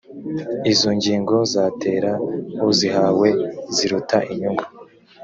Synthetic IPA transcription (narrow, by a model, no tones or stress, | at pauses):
izo̞ɲɟiːŋɡo̞zate̞ːɾahuziɦawe̞ziɾutaʔiɲuŋɡu